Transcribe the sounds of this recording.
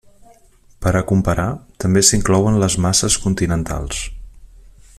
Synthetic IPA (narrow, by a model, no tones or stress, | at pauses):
pəɾəkumpəɾat̪əmbesiŋklɔwənləzmasəskunt̪inənt̪a̰lˠs